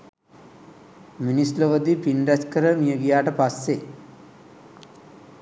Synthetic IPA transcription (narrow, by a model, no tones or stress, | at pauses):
minisloʋəd̪ipinɾæskəɾəmijəɡijaːʈəpasːe